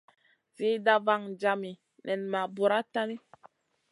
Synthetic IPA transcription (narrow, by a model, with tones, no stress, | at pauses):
v̥i˨˦da˦va˨ŋd͡ʒa˨mi˨ | nʔɛ˨nma˨bu˨ɾa˦ta˦ni˦